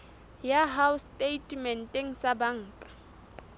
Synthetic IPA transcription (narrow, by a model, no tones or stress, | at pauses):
jaɦawstʼetʼmɛn̩tʼeŋ̩sabaŋ̩ːkʼḁ